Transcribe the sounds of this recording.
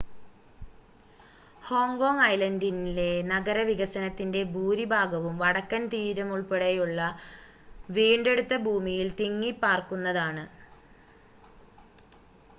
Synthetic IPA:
ho̞ːŋɡo̞ːŋɐjlɐndinile̞nɐɡɐɾɐʋiɣɐsɐnɐt̪ːinde̞bʱuːɾibʱaːɡɐʋumʋɐɽɐkːɐnt̪iːɾɐmuɭpeɽejuɭːɐ | ʋiːɳɖe̞ɽut̪ːɐbʱuːmijilt̪iŋːipːaːrkunːɐðaːɳɨ

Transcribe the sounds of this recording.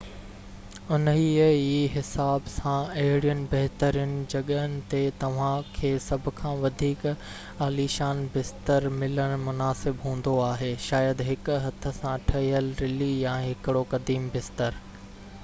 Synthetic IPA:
ʊnəɦiiːɦɪsaːbsãɐɦɪɽijʊnɪ̆bɐɦt̪əɾiʊnɪ̆d͡ʑɐɠəənɪ̆t̪et̪ɐʋ̤ãkʰeːsɐbʱʊ̆kʰãːʋɐd̪ʱiːk | aːliʃaːnbɪst̪əɾmɪləɽ̃mʊnaːsɪbɦũːnd̪oaːɦeːʃaːjəd̪ɦɪkʊɦɐt̪ʰə̆sãʈʰɐɦiəlɾɪlijãːɦɪkɪɽokɐd̪iːmbɪst̪əɾ

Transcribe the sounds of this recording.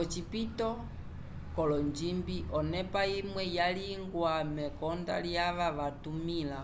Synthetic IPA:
ɔt͡ʃipitɔ | kɔlɔɲd͡ʒimbiʔɔnɛpaimwɛjaliŋɡwamɛkɔnda̰ljaʋaʋatumila

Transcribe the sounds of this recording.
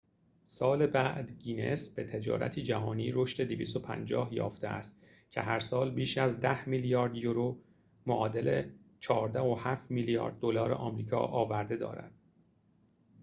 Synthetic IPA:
sɒːlebæʔd̪ɟiːnesb̥e̞t̪ʰe̞d͡ʒɒ̰ːɾæ̰t̪ʰiːd͡ʒæɦɒːniːɾo̞ʃt̪e̞d̪iviːst̪opʰæ̰nd͡ʒɒ̰ːhjɒ̰ːft̪eʔæst̪ | cʰe̞ɦæɾsɒːlbiːʃæzd̪æhmiljɒːɾd̪joɾo | moʔɒːd̪e̞let͡ʃʰɒːɾd̪æhohæːft̪milijɒ̰ːɾd̪̚ːolɒːɾḛʔɒːmɾiːkʰɒ̰ːʔɒːvæɾd̪e̞d̪ɒ̰ːɾæ̰d̪̥

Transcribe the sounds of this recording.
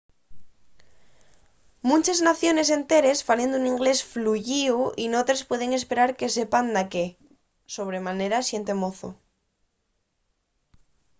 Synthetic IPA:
mũnt͡ʃeznaθjo̞ne̞s̬e̞nt̪e̞ɾe̞sfalend̪uniŋɡle̞sfluʝiuinot̪ɾespwe̞ð̞e̞ŋe̞speɾaɾkese̞pand̪ake | so̞β̞ɾe̞mane̞ɾasje̞nt̪emoθo̰

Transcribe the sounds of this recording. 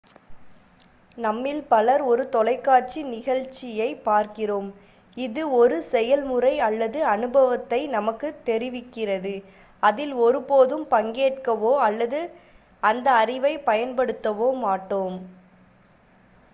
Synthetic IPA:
nɐmːɪlpɐlɐɾɔɾɯt̪ɔlɐɪkːaːʈ̚t͡ʃinɪɣɐɻt͡ʃːɪjɐɪpaːɾkɪroːm | ɪðɯɔɾɯsɛjɐlmɯrɐɪɐlːɐðɯɐnɯbɐʋɐt̪ːɐɪnɐmɐkːɯt̪ːɛɾɪʋɪkːɪrɐðɯ | ɐðɪlɔɾɯpoːðɯmpɐŋɡeːʈ̚kɐʋoːɐlːɐðɯ | ɐnd̪ɐːrɪʋɐɪpɐjɐnpɐɽɯt̪ːɐʋoːmaːʈːoːm

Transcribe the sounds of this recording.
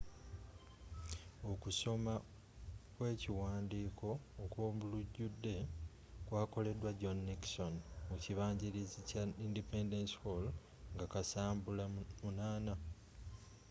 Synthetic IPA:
o̞kuso̞ma | kwe̞ːciwaːndiːkʰo̞ːkwoːmuluɟːudːe̞ | kwaːko̞le̞dwaɟo̞nːikso̞nmuciβaːɲɟiɾizicaindipe̞ndenshol | ŋɡakasaːmbulamunaːna

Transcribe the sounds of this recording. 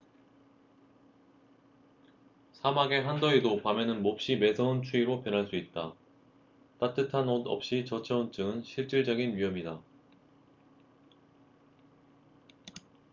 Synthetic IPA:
sʰamaɡe̞ɦandʌidopamʌnɯnmop̚ɕ͈ime̞sʰʌunt͡ɕʰuiɾopjʌnɦaɭs͈uit̚t͈a | t͈at͈ɯtʰanʌdʌ̰p̚ɕ͈it͡ɕʌt͡ɕʰeunt͡ɕ͈ɯɡɯnɕʰiɭt͡ɕ͈iɭd͡ʑʌɡinɥiɦʌmida

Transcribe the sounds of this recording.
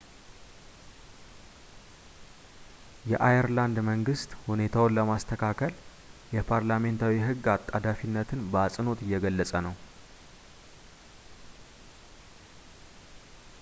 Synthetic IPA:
jɛʔajɛɾland̪məŋɡɨst̪hune̞t̪ʰawonləmast̪ʰəkʰakʰəl | jɛpʰaɾlame̞nt̪ʰawiɦɨɡːat̪ʼːad̪afinːət̪ʰɨnbəasʼɨno̞t̪ɨjːɛɡəlːəsʼənəw

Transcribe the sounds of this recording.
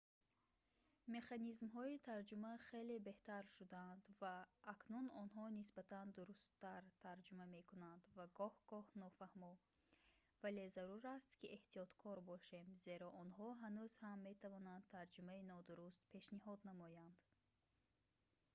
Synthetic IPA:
me̞χanizmɦɔit̪ʰaɾd͡ʒumaχe̞le̞be̞ht̪ʰaɾʃud̪aand̪vaːknunɔnɦɔnisbat̪and̪uɾust̪ːaɾt̪ʰaɾd͡ʒumame̞kʰunand̪vaɡɔhɡ̥ɔhnɔfahmɔ | vale̞zaɾuɾast̪kieht̪ijɔt̪kʰɔɾbɔʃe̞mze̞ɾɔʔɔnɦɔɦanuzhamːe̞t̪ʰavɔnand̪̚t̪ʰaɾd͡ʒumainɔd̪uɾust̪pʰe̞ʃniɦɔd̪namɔjand̪

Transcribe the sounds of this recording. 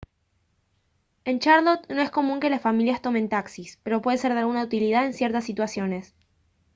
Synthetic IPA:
e̞nt͡ʃaɾlot̪no̞e̞sko̞mũŋke̞lasfamiljast̪o̞me̞nt̪aksispe̞ɾo̞pweðese̞ɾðealɣunaut̪iliðaðe̞nsje̞ɾt̪asːit̪wasjo̞ne̞s

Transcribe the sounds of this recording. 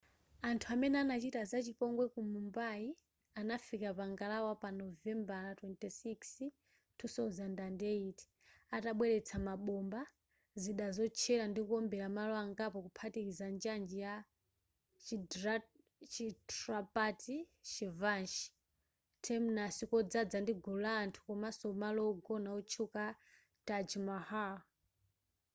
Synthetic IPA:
antʰuamɛnɛanat͡ʃitazat͡ʃipɔŋɡwɛkumumbai | anafikapaŋɡalawapanɔvɛmbaɾatwɛntɛsiks | tʰusazandandɛiti̥ | ataɓwɛɾɛt͡sʰamaɓɔmba | ziɗazɔt͡ʃʰɛɾandikuɔmbɛɾamalɔaŋɡapɔkupʰatiɾizand͡ʒand͡ʒija | t͡ʃitrapatit͡ʃivanʃi̥ | tʰɛmunasikɔd͡zad͡zandiɡulaːntʰu̥kɔmasɔmalɔɡɔnaut͡ʃʰuka | tad͡ʒimaha

